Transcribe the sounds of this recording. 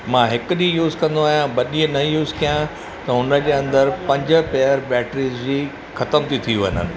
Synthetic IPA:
mãːɦɪkʊɗĩjuːzkɐ̃nd̪oaːɦijãbɐɗiə̃nɐjuːzkijã | t̪ɐɦʊnə̆d͡ʑeːɐ̃nd̪əɾpɐ̃ɲd͡ʑə̆peːəɾbɛːʈɾiːzd͡ʑiː | xɐt̪əmt̪ʰit̪ʰiuʋənənɪ̆

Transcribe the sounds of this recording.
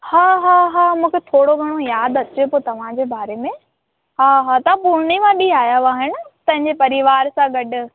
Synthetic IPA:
haːɦaːɦaːmũːkʰet̪ʰoːɽoɡʱɐɽ̃ojaːd̪ɐt͡ɕopoːt̪ɐʋ̤ãd͡ʑeːbaːɾemẽ | ɦaːɦaːt̪ɐãpʊɾɽ̃imãɗiaːjaaːɦɪnɪ̆t̪ɐ̃ɦɪ̃ɲd͡ʑepɐɾiʋaːɾsãɡɐɖʊ̆

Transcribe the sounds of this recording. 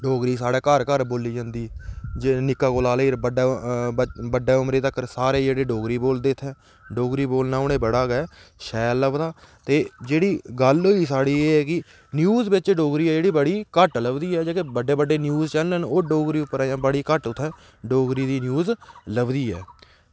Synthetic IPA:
ɖoːɡɾiːsaːɽeːkəɾkəɾboːliːd͡ʒãːnd̪iːd͡ʒenɪkːaːkoːlaːleiːɾbəɖeː | bəɖːeːʊmɾeːt̪əkːəɾsaːɾeːd͡ʒeːɽeːɖoːɡɾiːboːld̪eːt̪ʰːɛː | ɖoːɡɾiːboːlnãːʊɽ̃eːbəɽaːɡɛɛːʃɛːlːəbd̪aː | t̪eːd͡ʒeːɽiːɡəlɦoːiːsaːɽiːeːɛːkɪ | njuːzbɪt͡ʃɖoːɡɾiːɛːd͡ʒeːɽiːbəɽiːkəʈləbd̪iːɛːd͡ʒaːkebəɖeːbəɖeːnjuːzt͡ʃɛlnənoːɖoːɡɾiːʊpːəɾaːjãːbəɽiːkəʈʊt̪ʰːɛ̃ː | ɖoːɡɾiːd̪iːnjuːzləbd̪iːɛ̰ː

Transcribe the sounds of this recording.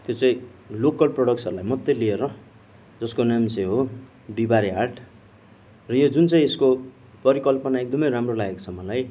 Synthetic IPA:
t̪jot͡saĩlokʌlproɽʌk̚sʌɾulajmʌt̪jelieɾʌ | d͡zʌskonamseɦo | bibaɾiarʈ | rʌjod͡zunt͡sãĩesko | pʌɾikʌlpʌnaek̚d̪ʌmʌjramrolaɡekt͡sʰʌmʌlaj

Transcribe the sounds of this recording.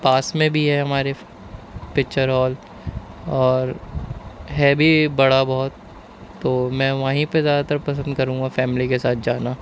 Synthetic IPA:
paːsmẽbʱiɦɛɦɐmaːɾe | pɪk̚t͡ʃəɾɦɔːl | ɔːɾ | ɦɛbʱibɐɽabɔɦʊt̪ː | oːmɛ̃ːʋaɦĩpezjaːd̪at̪ɐɾpɐsə̃nd̪kɐɾũːŋɡafɛːmɪlikesaːt̪̚ʰd͡ʒaːnaː

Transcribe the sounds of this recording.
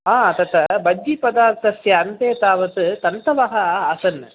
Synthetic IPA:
aːt̪ɐt̪ɐbɐd͡ʒːipɐd̪aːsɐsjɐːnt̪eːt̪aːʋɐt̪ɯt̪ɐnt̪ɐʋaːɦɐːsɐn

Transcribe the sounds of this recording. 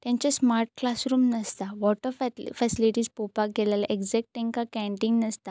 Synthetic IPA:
t̪jãɲt͡ɕasmaɾʈ̚klasɾuːmnəst̪aʋɔʈəɾffɛsiliʈiːspopakɡʱɛlalaʔeɡzɛk̚ʈːẽŋkakæ̃ɳʈĩŋɡnəst̪a

